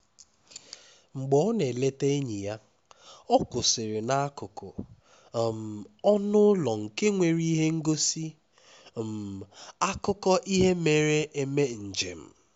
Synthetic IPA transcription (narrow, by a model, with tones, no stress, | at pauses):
ŋ͡m̩˨ɡ͡bɔ˦ne˨le˦te˦e˦ɲi˨ja˦ | ɔ˦kʊ˨sɪ˨ɾɪ˨na˦a˦kʊ˨kʊ̰˨ | m̩˨ɔ˦nʊ˦lɔ˨ŋ̩˨ke˦ŋʷe˨ɾi˦ɦe˦ŋ̩˦ɡo˦si˦ | m̩˨a˦kʊ˦kɔ˦ʔi˦ɦe˦me˨ɾe˦ʔe˨me˦n̩˨d͡ʒḛ˨m̩˨